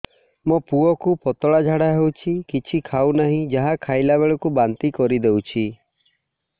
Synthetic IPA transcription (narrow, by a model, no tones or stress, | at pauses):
mopuɔkupɔt̪ɔɭad͡ʒʱaɽaɦewt͡ʃʰikit͡ʃʰikʰawnaɦĩd͡ʒaɦakʰajlaβeɭɔkubant̪ikɔɾid̪ewt͡ʃʰi